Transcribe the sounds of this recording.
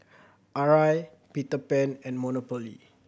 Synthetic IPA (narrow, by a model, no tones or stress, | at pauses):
ʔaɹaj | pitəpɛ̃nɛ̃nmɔnopɔlḭ